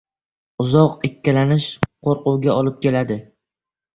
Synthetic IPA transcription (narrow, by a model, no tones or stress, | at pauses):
ʊzɒqekʲːalanɪʃqʰoɾqʊwɡʲaɒlɪp̚kʲe̞lad̪ɪ